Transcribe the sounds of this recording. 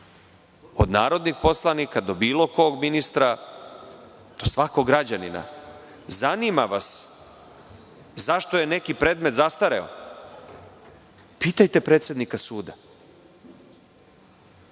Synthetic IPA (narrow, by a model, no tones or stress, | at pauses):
o̞̰d̪naːɾo̞d̪nixpo̞slˠanikad̪o̞biːlo̞ko̞ɡminist̪ɾa | d̪̥o̞sʋako̞ɡɾad͡ʑanina̰ | zaniːmaʋas | zaʃt̪o̞je̞ne̞kipɾe̞ːd̪met̪zast̪aɾeo̞̰ | piːt̪ajt̪e̞pɾe̞ːt̪sje̞d̪nikasuːd̪a